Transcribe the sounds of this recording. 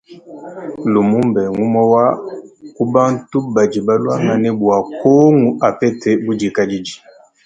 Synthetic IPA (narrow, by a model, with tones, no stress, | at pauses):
lu˨mu˦mbɛ˨ŋu˦mɔ˦wa˦ku˦ba˦n˦tu˦ba˨d͡ʒi˨ba˦lwa˦ŋa˨nɛ˦bu˨a˨ko˦ŋu˨ʔa˨pɛ˦te˦bu˦d͡ʒi˨ka˦d͡ʒi˦d͡ʒi˨